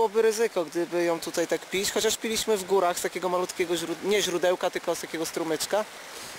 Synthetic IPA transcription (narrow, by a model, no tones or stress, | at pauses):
wɔbɘɾɘzɘkɔɡd̪ɘbɘjɔ̃w̃t̪ut̪ajt̪akpʲit͡ɕxɔt͡ɕaʂpʲilʲiɕmɘvɡuɾaxst̪akʲɛɡɔmalut̪kʲɛɡɔʑɾuɲɛʑɾud̪ɛwkat̪ɘlkɔst̪akʲɛɡɔst̪ɾumɛt͡ʂka